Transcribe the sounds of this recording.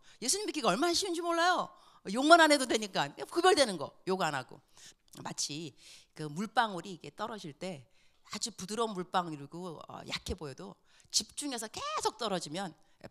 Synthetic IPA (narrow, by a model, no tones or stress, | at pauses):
je̞s̬ʰuɲimbik͈ʰiɡaʌɭmanaɕʰiund͡ʑimoɭːajo | joŋmananedodwe̞ɲik͈akɯbjʌɭdwe̞nɯnɡʌjoɡanaɡ̥o̰ | mat͡ɕʰikɯmuɭp͈aŋuɾiːɡe̞t͈ʌɾʌd͡ʑiɭt͈e̞ | ad͡ʑupudɯɾʌnmːuɭp͈aŋiɭɡoʌ̰ja̰kʰe̞bojedo | t͡ɕip̚t͡ɕ͈uŋe̞s̬ʰʌke̞sʰok̚t͈ʌɾʌd͡ʑimjʌn